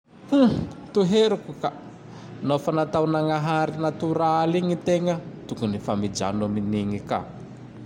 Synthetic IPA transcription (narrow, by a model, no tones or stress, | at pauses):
hũt̪uɦeɾukuka | nofanat̪awnaŋaɦaɾinat̪uɾaaliŋit̪eŋət̪ukunifamid͡ʒa̰numiniŋika̰